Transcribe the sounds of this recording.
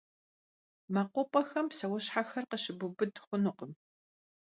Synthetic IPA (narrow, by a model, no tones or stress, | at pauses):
maːqʷɔpʼɐxɐmsɐwɔɕħaxɐrqəɕɪbʊbɨdχʷʊnʊqəm